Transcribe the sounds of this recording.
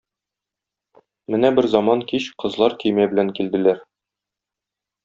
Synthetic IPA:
mɘnæbɘɾzɑmɑŋkiɕqɤ̆zlˠɑɾkɵ̆jmæbɘ̆læŋkild̪ɘ̆læɾ

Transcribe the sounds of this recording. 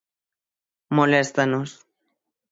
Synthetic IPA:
molest̪anos

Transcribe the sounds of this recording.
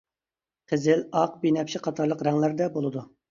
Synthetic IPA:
qʰəzɪlɑq̚binɛpʃʰiqʰɑt̪ʰɑɾlˠəqɾɛŋlæɾd̪ɛbolˠɨd̪u

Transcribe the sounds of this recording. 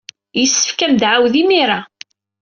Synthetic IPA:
jəsːə̥fkæmd̪ʕawðimiɾˤa

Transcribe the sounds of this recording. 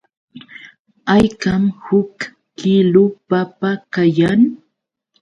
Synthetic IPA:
ajkamhʊkː | ɪlʊpapakajaŋ

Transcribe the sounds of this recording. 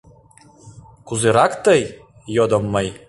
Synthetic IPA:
kuzɨɾakt̪ɐj | jɔd̪ɔmːɐj

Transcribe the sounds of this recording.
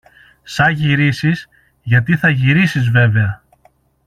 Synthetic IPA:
sɐʝiɾisiz | ʝɐt̪iθɐʝiɾisizve̞ve̞ɐ

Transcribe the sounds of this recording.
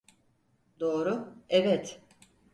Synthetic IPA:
d̪o̞ːɾʊɛvɛt̪

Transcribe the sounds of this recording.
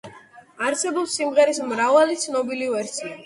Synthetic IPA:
aɾsɛbɔpsimʁɛɾismɾavalit̪sʰnɔbilivɛɾsʰia

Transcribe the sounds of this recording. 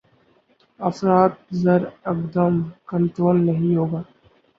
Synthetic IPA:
ɐfɾaːt̪̚zɐɾɐkd̪əmkə̃ɳʈɾoːlnɐɦĩɦoːɡaː

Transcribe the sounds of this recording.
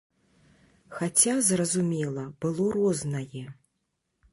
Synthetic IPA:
xat͡sʲazrɐzumʲɛlˠɐbɨlˠɔɾɔznɐjɛ

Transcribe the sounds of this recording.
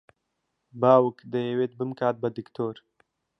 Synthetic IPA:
baːwukd̪əewet̪̚bəmkaːt̪̚bɐd̪ikt̪oːɾ

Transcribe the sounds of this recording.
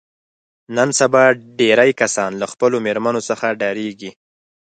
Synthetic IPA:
nənsabɑɖeɾajkasɑnlaxpəlomeɾmanosəxaɖɑɾeɡi

